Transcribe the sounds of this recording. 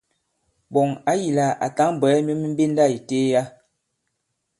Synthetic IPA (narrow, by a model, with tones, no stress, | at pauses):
bɔ˨ŋa˦ji˨la˨a̰˨ta˦ŋ˨bɛ˨˦mi˦mi˦m˦be˦n˦da˦˨i˨te˦ja˦